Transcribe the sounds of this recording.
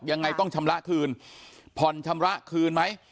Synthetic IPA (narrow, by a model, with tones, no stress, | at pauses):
ja˧ŋːa˧jt̪ɔ˥˩ŋt͡ɕʰa˧mɾa˦˥ʔkʰɯː˧npʰɔ˨˩nt͡ɕʰa˧mɾa˦˥kʰɯː˧nma˦˥j